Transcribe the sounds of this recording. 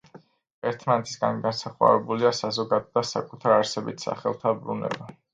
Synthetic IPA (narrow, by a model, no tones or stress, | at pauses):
ɛɾt̪ʰmanɛt̪ʰi̥sɡanɡansaχwa̰ɾɛbuliasazɔɡad̪ɔd̪asa̰kʼut̪ʰaɾaɾsɛbit̪ʰsa̰χɛlˠt̪ʰabɾunɛ̰ba